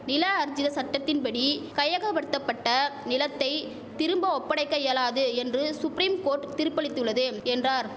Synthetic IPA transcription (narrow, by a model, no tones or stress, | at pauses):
nɪlaːɐɾd͡ʒɪðɐsɐʈːɐt̪ːɪnpɐɽikɐjɐɣɐpɐɽɯt̪ːɐpːɐʈːɐnɪlɐt̪ːɐɪ | t̪ɪɾɯmbɐɔpːɐɽɐɪkːɐeːlaːðɯɛndrɯsʊpɾiːmkoːʈt̪ɪɾɯpːɐɭɪt̪ːɯɭːɐðɯɛndraːɾ